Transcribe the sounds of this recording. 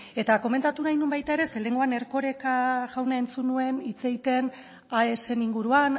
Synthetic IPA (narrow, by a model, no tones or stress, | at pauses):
e̞t̪ako̞me̞nt̪at̪unajnumbajt̪ae̞ɾe̞sele̞ŋɡoane̞ɾko̞ɾe̞kaʝawnae̞nt͡sunue̞nit͡se̞ɣit̪e̞n | ae̞se̞niŋɡuɾuan